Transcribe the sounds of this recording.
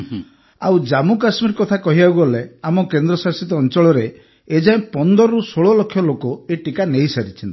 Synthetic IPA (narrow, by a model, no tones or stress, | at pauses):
a̰wd͡ʒamukasmiɾkɔt̪ʰakɔɦibaɡuɔleamɔkend̪ɾɔsasit̪ɔːnt͡ʃɔɭɔɾe | ed͡ʒaĩpɔnd̪ɔɾɔɾusoɭɔlɔkʰːjɔlokɔeʈikaneɦisaɾit͡ʃʰint̪i̥